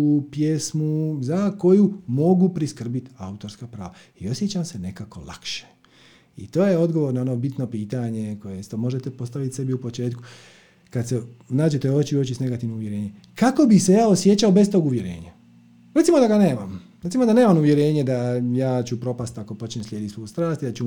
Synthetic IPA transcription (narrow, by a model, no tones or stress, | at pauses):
upjesmuzako̞jumo̞ɡupɾiskr̩bit̪aut̪o̞ɾskapɾaːʋaio̞sje̞t͡ɕamse̞ne̞kako̞̰lˠa̰kʃe̥ | ḭt̪o̞ːjeo̞d̪ɡo̞ʋoɾnao̞no̞bit̪no̞piːt̪aɲe̞ko̞jest̪omo̞ʒet̪epo̞st̪aʋit̪se̞biupo̞t͡ʃe̞ːt̪ku̥ | kad̪senaːd͡ʑet̪eo̞t͡ɕiot͡ɕisne̞ɡat̪iʋnouʋje̞ɾe̞ːɲe̞ | kako̞bixse̞jaːosje̞t͡ɕaobe̞st̪o̞ːɡuʋje̞ɾe̞̰ːɲa | ɾet̪simod̪aɡane̞ːmamɾt̪simo̞d̪aneːmamuʋje̞ɾe̞ːɲe̞d̪ajaːt͡ɕupɾo̞past̪ako̞po̞t͡ʃnemsʎʲjed̪isojust̪ɾaːst̪id̪at͡ɕu